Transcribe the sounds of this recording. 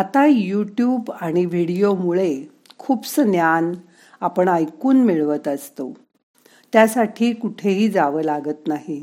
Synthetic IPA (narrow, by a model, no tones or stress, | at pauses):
at̪ajuʈjuːbaɽ̃iʋ̤iɽijomuɭe | kʰuːbsənjan | apəɳajkuːnmiɭʋət̪əst̪o | t̪jasaʈʰiːkuʈʰeɦiːd͡zaʋəːlaɡət̪naɦi